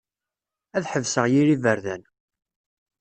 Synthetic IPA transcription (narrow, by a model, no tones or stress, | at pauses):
æðħəvsəʁjiɾivəɾðæn